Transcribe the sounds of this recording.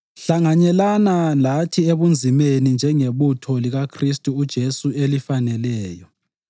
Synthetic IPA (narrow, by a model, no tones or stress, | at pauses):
ɬaŋaɲɛlanalatʰieβund͡zʱimenind͡ʒʱɛŋeβutʰɔliɣakʰristʼuːd̥ʒ̥ʱesuelifanɛlɛːjɔ